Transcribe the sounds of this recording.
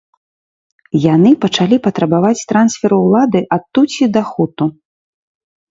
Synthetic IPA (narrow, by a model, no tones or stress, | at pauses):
janɨpɐt͡ʂalʲipɐt̪ɾɐbavat͡sʲt̪ɾansfʲɛɾuwlˠad̪ɨʔat̪ːut͡sʲid̪ɐxut̪u